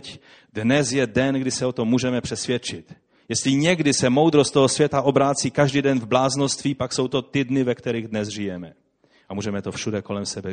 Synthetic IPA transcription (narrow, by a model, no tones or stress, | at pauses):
c | dnɛzjɛdɛnɡdɪsɛot̪o̞mːuːʒɛmɛpr̥ɛsvjɛt͡ʃɪt̪ | jɛst̪lɪɲɛɡdɪsɛmo̞wd̪ɾost̪oɦosvjɛt̪aʔo̞bɾaːt͡siːkaʒdidɛnvblaːznost̪viːpakso̞wt̪o̞t̪ɪdnɪvɛkt̪ɛɾiɣdnɛzʒɪjɛmɛ | ʔamuːʒɛmɛt̪o̞fʃudɛko̞lɛmsɛbɛ